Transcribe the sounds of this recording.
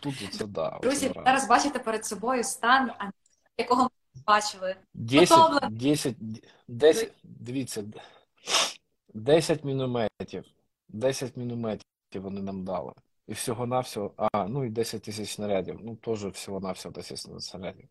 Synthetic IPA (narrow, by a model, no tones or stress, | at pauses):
t̪ut̪ʒɔt̪sɛd̪ɑ̰ɾzʲḭɑɾɐzbɑt͡ʃɪt̪epeɾed̪sɔbɔjʊst̪ɑnɐ | jɐkɔɦɔ | bɑt͡ʃɪlˠɪ | dʲɛsʲɔɛdʲɛsʲɐt̚ʲ | d̪ɛsʲd̪ʋʲit͡s̪ʲːɛ | d̪ɛsʲɐtʲmʲinʊmɛtʲiw | d̪ɛsʲɐtʲmʲinʊmɛtʲ | iwʋɔnɪnɑmd̪ɑ̰lˠɪ̰ | iwsʲɔɦɔnɑwsʲɔɦɔɑnuid̪ɛsʲɐt̚ʲt̪ɪsʲɐt͡ʃsnɐɾʲadʲḭwnut̪ɔʒɛwsʲɔɦɔnɑwsʲɔɦɔd̪ɛsʲɐ̰tʲssnɐɾʲa̰dʲiw